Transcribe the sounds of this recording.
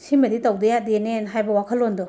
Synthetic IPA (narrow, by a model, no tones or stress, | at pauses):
simɐditawdɐjadenenɦajbɐwakʰɐlːondɔ